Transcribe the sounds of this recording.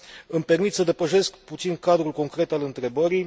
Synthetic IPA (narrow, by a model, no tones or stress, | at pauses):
ɨmpe̞rmit̪səd̪e̞pəʃe̞skput̪sinkad̪ɾulko̞ŋkɾe̞t̪alɨnt̪ɾe̞bəɾi